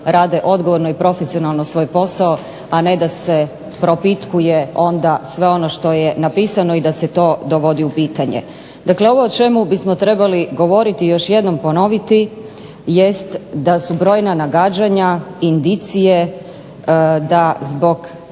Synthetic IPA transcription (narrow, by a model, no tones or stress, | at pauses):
ɾaːd̪e̞ʔo̞d̪ɡo̞ʋo̞ɾnoipɾo̞fesionalˠnosʋo̞jpo̞sao | ane̞d̪ase̞ | pɾo̞pit̪kuje̞o̞nd̪asʋe̞o̞no̞ʃt̪o̞je̞napiːsano̞id̪ase̞t̪o̞ːd̪o̞ʋo̞d̪iupiːt̪aɲḛ | d̪akleo̞ʋo̞ːt͡ʃe̞mubismo̞t̪ɾe̞baliɡo̞ʋo̞ɾit̪ijo̞ʃje̞d̪no̞mpo̞no̞ʋit̪i | jest̪d̪asubɾo̞ːjnanaɡaːd͡ʑaɲaind̪it̪sije̞ | d̪azbo̞ɡ